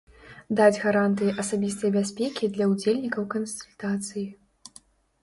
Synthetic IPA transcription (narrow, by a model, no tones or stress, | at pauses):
d̪ad͡zʲɣaɾant̪ɨjiʔɐsabʲist̪ɐjbʲasʲpʲɛkʲid̪lʲɐud͡zʲelʲnʲikɐwkɐnsulʲt̪at̪sɨji